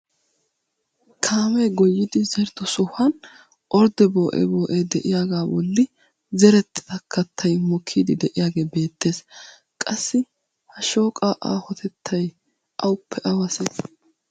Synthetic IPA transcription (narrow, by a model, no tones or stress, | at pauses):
kʰaːmɛɡɔjːɪd̪ɪzɛɾd̪ɔsɔhɐn | ʔɔɾd̪ɛbo̞ːʔɛ̰boːʔed̪ɛʔɪjaːɡaːwɔ̰lːɪ | zɛɾɛt̪ːɪ̥t̪ɐkʰːɐt̪ʰːɐjmɔkʰːiːd̪ɪd̪ɛʔɪjaːɡe̞ːbe̞ːt̪ːe̞ːs | kʼɐsːɪ | hɐʃo̞ːkʼaːʔa̰ːhɔt̪ʰɛt̪ʰːɐj | ʔɐwʊpʰːɛʔɐwɐse